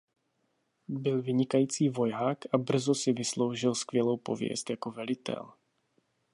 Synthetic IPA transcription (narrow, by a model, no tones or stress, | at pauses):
bɪlvɪɲɪkajiːt͡siːvo̞jaːkʔabr̩zosɪvɪslo̞wʒɪlskvjɛlo̞wpo̞̰vjɛ̰st̪jakovɛlɪt̪ɛ̰l